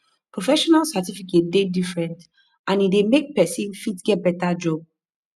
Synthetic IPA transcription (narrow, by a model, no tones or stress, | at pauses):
pʰɹofɛʃɔnalsatifiket̚dedifɹɛ̃nt | ʔãnidemek̚pɛsĩnfitɡɛt̚bɛtad͡ʒɔb̚